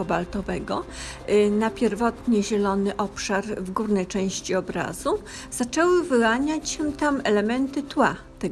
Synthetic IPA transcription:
ɔbalt̪ɔvɛɡɔ | napʲjɛɾvɔt̪ɲɛʑɛlɔnɘʔɔpʂaɾvɡuɾnɛjt͡ʂɛ̃w̃ɕt͡ɕiɔbɾa̰z̥u | z̥at͡ʂɛwɘvɘwaɲat͡ɕɕɛt̪amɛlɛmɛnt̪ɘt̪wa | t̪ɛ

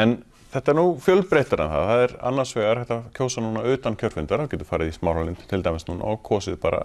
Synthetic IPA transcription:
ɛn | θɛht̪aɛɾnufjœlpɾejht̪aɾanθa̰ðθaðɛɾa̰nːaɾsvɛːɣaɾ̥θɛht̪acʰoːwsanuːnaʏːt̪ancʰœɾr̥fɪnt̪aɾhawcɛt̪ʏ̥ɾ̥faːjɾɪðismawɾalɪnt̪ʰɪlt̪ajmɪsnuːna̰ɔɣkʰɔːsɪðpaːɾa̰

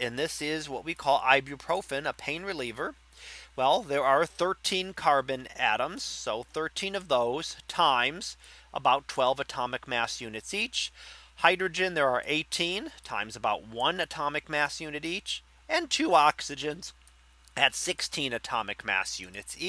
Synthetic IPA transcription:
ɨ̃nðɪsɪzwʌʔ̚wikʰɔlˠa̰ɪbɹʉpʰɹ̥oʊfɨ̃nəpʰẽɪ̃nɹɨlivə˞ | wɛlˠðə˞ə˞θɜ˞tʰĩnkʰɑɹbɨ̃næ̰ɾə̃mz̥soʊθɜ˞tʰĩnʌvðoʊz̥tʰãɪ̃mz̥ʔə̰baʊtʰw̥ɛlˠvətʰɑmɨk̚mæsjʉnɨtsit͡ʃhaɪdɹɨd͡ʒɨ̃nðə˞ə˞ʔeɪtʰĩntʰã̰ɪ̃mzəbaʊt̚wʌ̃nɨtʰɑmɨk̚mæsjʉnɨɾit͡ʃ | ɨ̃ntʰʉɑksɨd͡ʒɨ̃nz̥ | ɨtsɪkstʰĩnɨtʰɑ̰mɨkmæ̰sjʉ̰nɨtsi

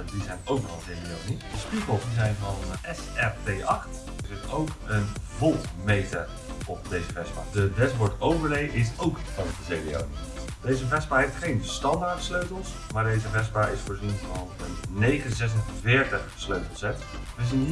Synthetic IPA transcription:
dizɛjnowknɔχənzejdinonitdəspikəlˠsdizɛjnvɑnɛsɛrtejɑχt | zɪtowkənvɔlˠmejtə̰ɹ | ʔɔp̚dejzəvɛsba̰ːdədɛsbɔɹtowvəɹlejʔɪsowkfɔndəzejdio̰wn | d̥ejzəvɛsbaːɦeftχejnstɑndaɹtsløɥtəlˠs | maːɹdejzəvɛsbaːʔɪsfoːɹzinvɑnənːejχənzɛs̬əvɪːɹtəχsløɥtəlˠsɛt | ʋəzin

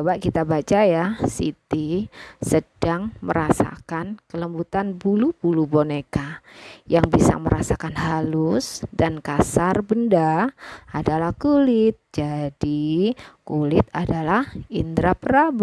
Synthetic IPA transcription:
baʔkit̪abat͡ʃajasḭt̪isəd̥aŋmə̰ɾasa̰kankələmbut̪anbulub̥ulubonekajaŋbisa̰məɾasakanɦalʊsdankasarbəndaadalahkulɪt̪̚d͡ʒadikulɪt̪̚adalahind̪ɾapəɾab

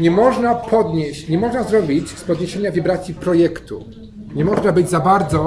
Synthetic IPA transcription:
ɲɛmɔʐnapʰɔd̪ɲeɕt͡ɕɲɛmɔʐnazɾɔbʲit͡ɕspɔd̪ɲeɕeɲavʲibɾat̪sʲipɾɔjɛkt̪ṵ | ɲɛmɔʐnabɘd͡ʑzabaɾd̪zɔ

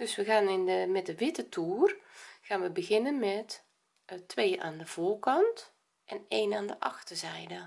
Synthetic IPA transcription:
d̥øsʋəɣaːnɪnəmɛt̚dəʋɪtətʰuːrɣaːnʋəbəɣɪnənmɛt | tʰʋeːʔa̰ːndəv̥oːrkɑnt | ʔɛneːnaːndəʔɑxtərzɛjdə

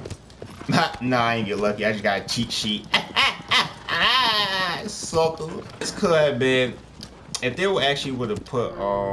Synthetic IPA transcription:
natnoaɪkɨ̃nɡɛtˡlʌkiaɪd͡ʒʌsɡ̥ɑɾɨt͡ʃʰit̚t͡ʃʰit̚ | a | sʌktskʰɛbɪ | ɨ̃fðəwəæk̚t͡ʃʉl̩ˠiwəɾɨpʰʊɾ

